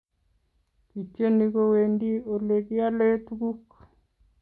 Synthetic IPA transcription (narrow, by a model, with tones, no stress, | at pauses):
ki˨t͡ʃe˦niɣo˦wendi˦o˨le˨ki˦a˦le˦t̪uɡu˦k